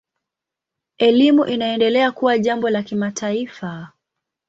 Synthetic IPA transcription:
ɛlimuʔinaɛndɛlɛakuwaʄambɔlakimatʰaifa

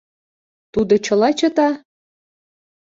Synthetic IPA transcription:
t̪ud̪ɤ̆t͡ɕɤ̆lˠɑt͡ɕɤ̆t̪ɑ

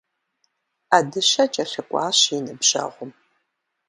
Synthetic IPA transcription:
aːdɨɕɐt͡ʃʼɐɬɨkʷʼɑ̰ːɕinɨbʑ̥ɐ̰ʁʷʊm

